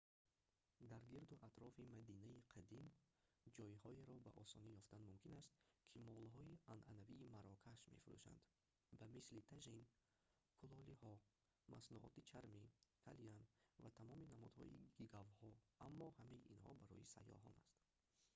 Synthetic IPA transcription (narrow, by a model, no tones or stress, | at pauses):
d̪aɾɡiɾd̪uʔat̪ɾɔfimad̪inaiqʰad̪im | d͡ʒɔihɔeɾɔbaʔɔsɔnijɔft̪anmumkʰinast̪kʰimɔlɦɔianʔanaviːmaɾɔkʰaʃmḛfuɾṵʃa̰nd̪ | bamislit̪ʰaʒin | kʰulɔlihɔ | mʔa̰snuʔɔ̰t̪it͡ʃʰaɾmikʰa̰lianvat̪ʰamɔminamɔd̪hɔ̰ḭɡiɡavhɔamːɔhamajiʔinhɔ̰baɾɔ̰jisa̰jːɔ̰ɦɔ̰na̰st̪